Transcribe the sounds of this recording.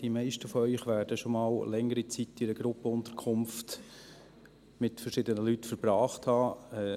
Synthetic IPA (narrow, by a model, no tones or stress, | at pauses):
d̥imɛɪʃtəfɔœʏχʋæːɾdəʃomɑːllɛŋəɾit͡sitːɪɾəɡ̥ɾʊpːəʊnt̪əɾkʰʊmft | mɪtfəɾʃɪd̪ənəlytfəɾb̥ɾɑːχthɑːɛ